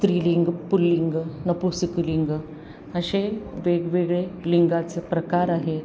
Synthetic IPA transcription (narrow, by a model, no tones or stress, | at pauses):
t̪ɾiːliŋɡpulːiŋɡnəpusəkliŋɡ | əɕeʋeɡʋeɡɭeliŋɡat͡səpɾəkaɾaɦe